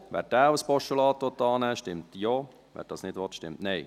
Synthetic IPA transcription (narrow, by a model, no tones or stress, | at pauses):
ʋɛ̰ːɾd̥æːwəspɔʃəlɑːt̪ʋɔt̪ːɑːnɛːʃtɪmtjo | ʋæ̰ːɾd̥ɑːsnɪdʋɔtʃtɪmtneɪ